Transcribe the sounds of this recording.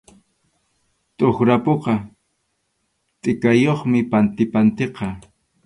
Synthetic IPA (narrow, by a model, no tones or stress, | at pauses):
t̪ʼoχɾapoqɑ | t̪ʼɪkajoχmɪpant̪ɪpant̪eqɑ